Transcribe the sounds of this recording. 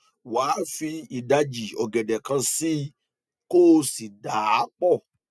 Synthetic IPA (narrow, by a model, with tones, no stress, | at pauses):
waː˨˦fi˧i˨da˧d͡ʒi˨ɔ˨ɡɛ˨dɛ˨kã˧si˦ | ko˦˧si˨da˨˦k͡pɔ˦˨